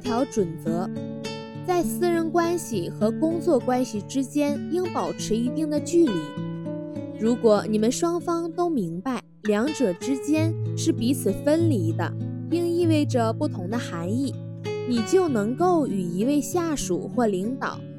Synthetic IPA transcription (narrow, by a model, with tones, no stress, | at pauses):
t̪ʰjɑ˧˥ʊʈ͡ʂwə˨˩nt͡sɤ˧˥ | t͡sa˥˩ɪsɹ̩˥˧ɻə˧˥nkwa˥nɕi˨xɤ˧˥kʊ˥ŋt͡swɔ˥˩kwa˥nɕi˨˩ʈ͡ʂɻ̩˥t͡ɕjɛ˥ni˥ŋpɑ˨˩ʊʈ͡ʂʰɻ̩˧˥i˧˥t̪i˥˩ŋd̪ə˩t͡ɕy˥˩li˧˥ | ɻu˧˥kwɔ˨˩ni˨˩mə˦nʂwɑ˥ŋfɑ˥ŋt̪o˥ʊmi˧˥ŋpa˥˩ɪljɑ˧˥ŋʈ͡ʂɤ˨˩ʈ͡ʂɻ̩˥t͡ɕjɛ˥nʂɻ̩˥˩pi˧˥t͡sʰɹ̩˨˩fə˥nli˧˥d̪ə̰˧ | i˥ŋi˥˧we˥˩ɪʈ͡ʂə˩pu˥˩t̪ʰʊ˧˥ŋd̪ə˧xa˧˥ni˥˩ | ni˨˩t͡ɕjo˥˩ʊnɤ˧˥ŋko˥˩ʊy˨˩i˧˥we˥˧ɪɕja˥˩ʂṵ˨˩xwɔ˥˩li˧˥ŋt̪ɑ̰˨˩˦ʊ